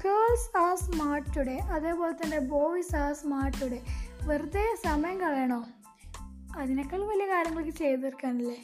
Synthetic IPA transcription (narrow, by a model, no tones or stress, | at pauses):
keːɭsaːsmaːrʈːuɽeʔɐðeːpoːlet̪ːɐndeboːʋisaːsmaːrʈːuɽeʋɐɾud̪esɐmɐjɐŋkɐɭɐjɐɳoː | ɐðinekːɐɭʋɐlijɐkaːɾjɐŋːɐɭokːɨt͡ɕejt̪ðɐrikːaːɳilːe